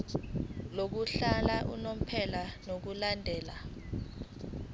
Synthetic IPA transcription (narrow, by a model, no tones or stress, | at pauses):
lok̬uɬalaʔṵnom̩pʰɛlanok̬ulandʱɛːla